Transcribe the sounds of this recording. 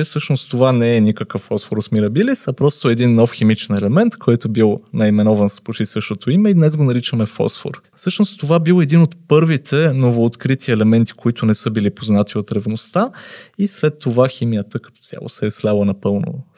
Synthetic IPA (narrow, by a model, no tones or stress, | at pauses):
ɛsɤʃnost̪ovanɛɛnʲikəkəfɔsfoɾosmiɾɐbilisɐpɾɔst̪oɛd̪inːɔfximit͡ʃɛnɛlɛmɛnt̪kʰɔjt̪obilˠnɐimɛnɔvɐnspoʃisəʃt̪ot̪oimɛid̪nɛzɡonɐɾit͡ʃəmɛfɔ̰sfo̰ɾ | sɤʃnost̪ovabilˠɛd̪inot̪pɤɾvit̪ʰɛnovoːt̪kɾit̪ʰiɛlɛmɛnt̪i̥koit̪ʊnɛsɤbilipoznat̪ʰiot̪ɾɛvnost̪aislɛt̪ːovaximijət̪əkɐt̪ɔ̥t̪sʲja̰lˠo̰sɛɛslʲalˠənɐpɤlˠno̰